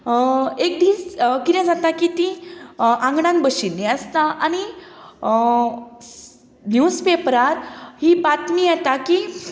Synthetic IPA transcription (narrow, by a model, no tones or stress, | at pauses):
ek̚d̪iːskit̪ɛ̃d͡zat̪akit̪ĩʔãŋɡɽãnbəɕinːiəst̪aʔani | njuspepɾaɾhipat̪mijat̪aki